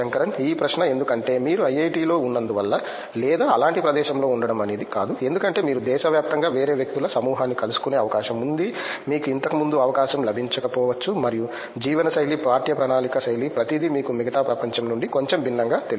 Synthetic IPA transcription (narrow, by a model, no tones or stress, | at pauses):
ɐŋkɐɾɐniːpɾɐʃnɐend̪ukɐɳʈe̞ːmiːɾuɐjɐjʈiːlo̞ːunːɐnd̪uʋɐlːɐ | lɛːd̪aːɐlaːɳʈipɾɐd̪ɛːʃɐmlo̞ːuɳɖɐɽɐmɐne̞ːd̪ikaːd̪ue̞nd̪ukɐɳʈe̞ːmiːɾud̪ɛːʃɐʋjaːp̚t̪ɐŋɡaːʋe̞ːɾe̞ːʋjɐk̚t̪ulɐsɐmuːɦɐːnːikɐlusu̥kune̞ːɐʋɐkaːʃɐmund̪i | miːkuint̪ɐkumund̪uɐʋɐkaːʃɐmlɐbʱiɲt͡ʃɐkɐpɔːʋɐt͡ʃːumɐɾiju | d͡ʒiːʋɐnɐsɐjlipaːɾt̪jɐpɾɐnaːnikɐsɐjlipɾɐt̪id̪imiːkumiɡɐt̪aːpɾɐpɐɲt͡ʃɐmnuɳɖiko̞ɲt͡ʃembʱinːɐŋɡaːt̪e